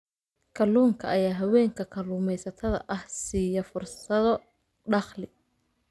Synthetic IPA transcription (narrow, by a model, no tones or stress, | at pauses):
kʰɐluːŋkʰɐɐjaːɦɐwɛːŋkʰɐkʰɐluːmɛjsɐt̪ʰɐðɐ̰ʔɐhsiːjɐfʊrssɐðɔ | ɖɑχlɪ